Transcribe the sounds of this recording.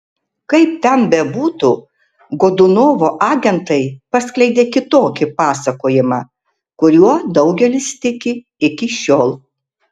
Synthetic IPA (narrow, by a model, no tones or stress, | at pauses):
kɐɪp̚t̪ʲɛnbʲɛbuːt̪u | ɡoːd̪ʊnoːʋoːʔɑːɡʲɛnt̪ɐɪpɐsʲklʲɛɪd̪ʲeːkʲɪt̪oːkʲɪpɑːsɐkoːjɪmɑː | kʊɾʲuɔd̪ɐʊɡʲɛlʲɪst̪ʲɪkʲɪ | ɪkʲɪʃʲoːlˠ